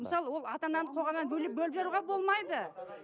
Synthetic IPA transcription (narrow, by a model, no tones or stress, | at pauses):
məsɑlˠəwo̞lˠɑt̪ɑnɑnəɴqʰo̞ʁɑmɑnbɵlep̚bɵlbe̞ɾuʁɑbo̞lˠmɑjd̪ə